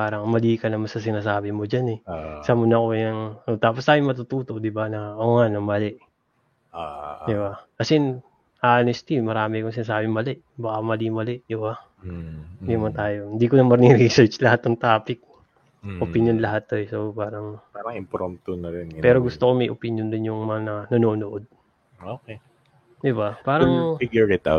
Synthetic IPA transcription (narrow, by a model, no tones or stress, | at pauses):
paːɾɐŋmɐliːkɐnɐmɐsɐs̬ɪnaːsaːbɪmod͡ʒanɛsɐmʊnɐko̞jɐŋot̪aːpost̪aːjoŋmɐt̪ut̪uːt̪o̞ʔd̪ɪbanɐʔoŋanɐmɐlɛʔ | d̪ɪbakɐsɛn | ʔaːnɪst̪imɐɾaːmɪkoŋsɪnas̬aːbɪŋmɐlɛʔ | bɐkamɐlimɐlɛʔd̪ɪba | d̪inɐmɐnt̪aːjo̞ɪnd̪iːkonɐmɐɾnɪŋɾisɛɹt͡ʃlɐhat̪ːɐŋt̪aːpɪk̚ | ʔopɪnjonlɐɦat̪ːoɛsopaːɾɐŋpaɾɐŋɪmpɾomt̪onɐɾɛnpɛːɾo̞ɡʊst̪okomɐjʔopɪnjond̪ɪnjʊŋmɐŋanɐnɐnoːnoʔod̪̚ | oːke | d̪ɪbapaːɾɐŋfɪɡjʊɛt̪a̰